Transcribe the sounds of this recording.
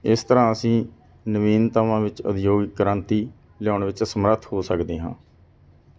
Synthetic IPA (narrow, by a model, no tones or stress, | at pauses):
ɪst̪əɾãːəsĩː | nəʋiːnt̪əmãːʋɪt͡ʃʊ̰d̪joːɡɪkːəɾənt̪iː | lɪjaːɳʋɪt͡ʃsəmɾət̪ʰhoːsəkd̪eːɦã̰ː